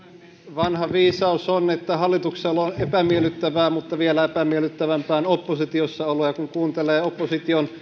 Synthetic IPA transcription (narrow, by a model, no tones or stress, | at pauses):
ʋɑnhɑʋiːsɑusonet̪ːæhɑlːit̪ukselːonepæmielːˑyt̪ːæʋæːmut̪ːɑʋielæepæmielyt̪ːæʋæmpæːnopːosit̪iosːɑolojɑkuŋkuːnt̪eleːopːosit̪ion